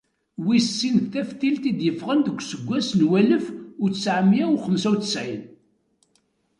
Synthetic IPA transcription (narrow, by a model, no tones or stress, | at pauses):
wissːinθθæfθilt̪id̪jəfʁənd̪əɡʷsəɡʷːæsnwæləfʊɾt͡ssʕəmjæʊχəmsæwt͡sə̥sʕjn